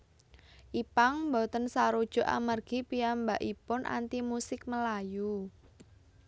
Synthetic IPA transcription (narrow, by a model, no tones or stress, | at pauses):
ʔipaŋmbɔt̪ənsaɾud̥ʒ̥ɔ̤ʔa̰marɡ̥i̤piambaʔipʊnʔa̰nt̪imusɪk̚məlaju